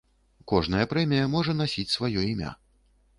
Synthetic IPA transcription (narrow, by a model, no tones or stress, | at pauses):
kɔʐn̪ɐjɐpɾɛmʲijɐmɔʐɐnasʲit͡sʲsvajɔimʲa̰